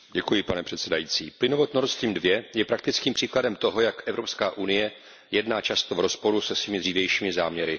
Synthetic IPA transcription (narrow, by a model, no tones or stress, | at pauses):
ɟɛkujɪpanɛpr̝̥ɛt̪sɛdajiːt͡sḭːplɪnovot̪noɾst̪ɾiːmdvjɛjɛpɾak̚t̪ɪt͡skiːmpr̥iːkladɛmt̪o̞ɦojakʔɛvɾo̞pskaːʔunɪjɛ | jɛdnaːt͡ʃast̪ovɾo̞spo̞ɾusɛsvɪmɪd̪riːvjɛjʃiːmɪzaːmɲɛɾɪ